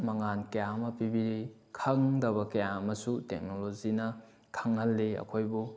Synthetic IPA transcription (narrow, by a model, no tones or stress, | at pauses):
mɐŋankɐjamɐpibiɾi | kʰɐŋdɐβɐkɐjaɐmɐsutek̚nolozinɐ | kʰɐŋhɐlːiɐ̰kʰojbu